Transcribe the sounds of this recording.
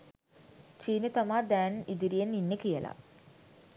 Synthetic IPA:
t͡ʃiːnet̪amaːrd̪æːnid̪iɾijenːinːekijəla̰

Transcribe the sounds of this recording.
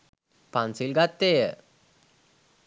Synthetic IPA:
pansilɡat̪ːeːjə

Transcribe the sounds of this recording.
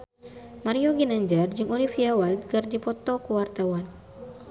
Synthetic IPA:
maɾiɔɡinaɲd͡ʒard͡ʒɨŋunifiawad̪kɨrdipɔt̪ɔkuwart̪awan

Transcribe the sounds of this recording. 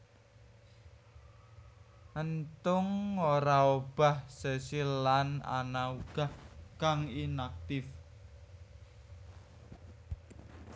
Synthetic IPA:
ʔənt̪ʊŋoɾaob̥a̤hsəsilana̰nauɡ̥ahkaŋinak̚t̪ɪf

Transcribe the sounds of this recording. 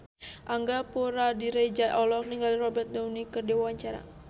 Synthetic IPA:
ʔaŋɡapuɾadiɾajd͡ʒajʔɔlɔk̚niŋɡalirɔbɛrt̪̚dawnikərdiwawaɲt͡ʃaɾa̰

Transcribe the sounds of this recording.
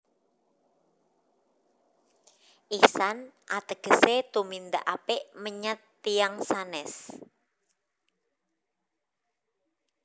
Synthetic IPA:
ʔisanʔat̪əɡ̥əset̪umind̪a̰ʔapeʔməɲət̪ːiaŋsanɛs

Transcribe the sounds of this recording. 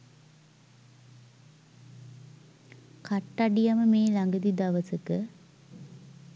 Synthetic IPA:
kaʈːaɖijaməmeːlaŋɡəd̪id̪aʋəsəkə

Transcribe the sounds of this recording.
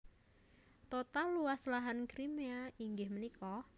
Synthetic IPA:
t̪ot̪aluwaslaɦankɾimeaiŋɡɪhmənikɔ

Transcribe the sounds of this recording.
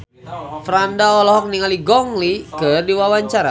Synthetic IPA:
fɾandaɔlɔɦɔk̚niŋaliɡɔŋlikərdiwawaɲt͡ʃaɾa̰

